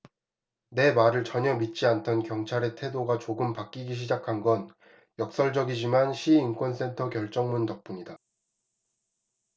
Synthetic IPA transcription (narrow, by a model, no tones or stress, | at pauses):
ne̞maɾɯɭt͡ɕʌɲʌmit̚t͡ɕ͈iantʰʌnkjʌŋt͡ɕʰaɾe̞tʰe̞doɡat͡ɕoɡɯmpak͈iɡiɕ̬ʰid͡ʑakʰanɡʌn | jʌk̚s͈ʌɭd͡ʑʌɡid͡ʑimanɕʰiːnkwʌns͈e̞ntʰʌkjʌɭt͡ɕ͈ʌŋmuntʌk̚p͈uɲida